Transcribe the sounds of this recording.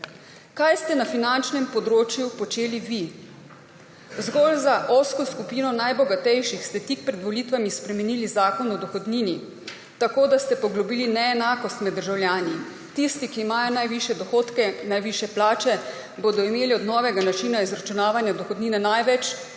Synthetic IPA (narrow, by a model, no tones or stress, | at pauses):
kajst̪ɛnafinant͡ʃnɛmpɔd̪ɾoːt͡ʃjupɔt͡ʃeːliʋi | zɡɔlzaʔoskɔskupiːnɔnajbɔɡat̪ɛjʃixst̪ɛt̪ik̚pɾɛd̪ʋɔlit̪ʋamispɾɛmɛnilizaːkɔnɔd̪ɔxɔd̪niːni | t̪akoːd̪ast̪ɛpɔɡlɔbiːlinɛːnaːkɔst̪mɛd̪ːəɾʒawlʲjaːni | t̪ist̪ikiːmaːjɔnajʋiʃjɛd̪ɔxoːt̪kɛnajʋiʃjɛplaːt͡ʃɛ | boːd̪ɔimeːliɔd̪nɔːʋɛɡanat͡ʃiːnaizɾat͡ʃunaːʋanjad̪ɔxɔd̪niːnɛnajʋɛt͡ʃ